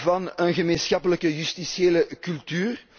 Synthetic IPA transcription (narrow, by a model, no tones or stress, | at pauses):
vɑnənɣəmeːnsxɑpələkəjystisjeːləkylˠtyːr